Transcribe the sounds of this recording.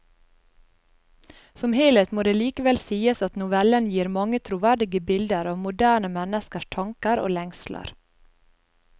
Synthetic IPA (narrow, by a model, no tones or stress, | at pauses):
sɔmheːlət̪moːd̪eːliːkəʋɛlsiːəsɑt̪nʊʋɛlənjiːɾmɑŋət̪ʰɾuːʋæɖɪɡəbɪld̪əɾɑːʋmʊd̪æːɳəmɛnəskəʃʈʰɑŋkəɾo̰ːlɛŋslə̰ɾ